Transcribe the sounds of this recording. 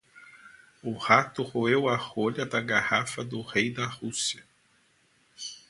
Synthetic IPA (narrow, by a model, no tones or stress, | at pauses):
ʊhat̪ʊhoewɐhoʎɐd̪ɐɡahafɐd̪ʊhejd̪ɐhusiɐ